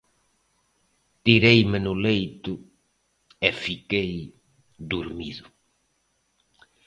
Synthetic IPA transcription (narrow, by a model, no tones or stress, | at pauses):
t̪iɾejmɪnʊlejt̪ʊ | efikej | d̪uɾmiðʊ